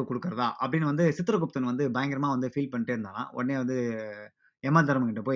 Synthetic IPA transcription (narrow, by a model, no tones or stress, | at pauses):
kɔɽɯkːɯɾɐðaːʔɐpːɐɽɪnːɐʋɐnd̪ɯsɪt̪ːɪɾɐk̬ʊp̚t̪ːɐnʋɐnd̪ɯbɐjɐŋɡɪɾɐmaːʋɐnd̪ɯfiːlpɐɳːɪʈːeːɾɯnd̪aːlã̰ːʔɔ̰ɽɐneːʋɐnd̪ɯ | ɛmːaːd̪ɐɾmɐkɪʈːɐpoː